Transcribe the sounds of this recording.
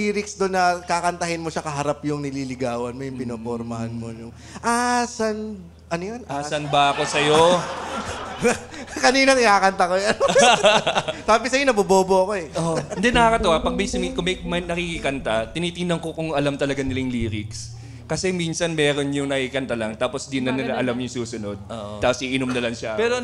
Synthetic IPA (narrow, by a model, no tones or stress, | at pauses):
iːɾɪksd̪onːɐkaːkɐnt̪ɐhɪnmo̞ʃɐkɐɦɐɾapjʊŋnɪliːlɪɡaːwɐnmojʊŋpɪnopoɾmɐhanmojʊŋ | ʔasɐn | ʔɐnojonʔasɐnbɐɐko̞sɐjo | kɐniːnonɪnaːkɐnt̪ɐkojan | t̪ɾaːpɪsɐjonɐboboːboɐko̞ɛʔond̪ɛnːɐkɐkɐt̪owapɐɡ̚mɐsɐmikʊmɐjmɐnɐkikikɐnt̪at̪ɪniːt̪ɪŋd̪ɐŋkokʊŋɐlamt̪ɐlɐɡanɪlaŋliːɾɪks | kɐsɛmiːnsɐnmɛːɾo̞njʊŋnɐkikɐnt̪alɐŋt̪aːpo̞sd̪ɪnɐnɐɐʔɐlamjʊŋsuːsʊno̞d̪̚oːʔ̪aːposʔiʔɪnomnɐlɐnʃapɛːɾo